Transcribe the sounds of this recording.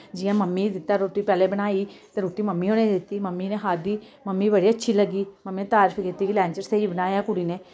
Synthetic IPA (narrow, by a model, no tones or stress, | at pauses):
d͡ʒɪjãːməmːiːd̪ɪt̪ːaːɾoːʈiːpɛːleːbənaːiːt̪eːɾoːʈiːməmːiːɦõːnẽːd̪ɪt̪ːiːməmːineːɦaːd̪iː | məmːiːbəɽiːətːʃʰiːləɡːiːməmːiːet̪aːɾəfʰkɪt̪ːiːkilɛ̃ːɲt͡ʃəɾseibənaːjaːkʊɽiːneː